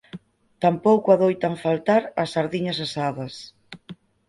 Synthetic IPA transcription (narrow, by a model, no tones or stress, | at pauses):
t̪ampowkʊaðojt̪aɱfalt̪aɾɐsaɾðiɲɐs̬asaðɐs